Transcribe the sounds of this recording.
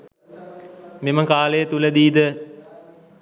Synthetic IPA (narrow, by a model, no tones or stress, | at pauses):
meməkaːləjət̪uləd̪iːd̪ə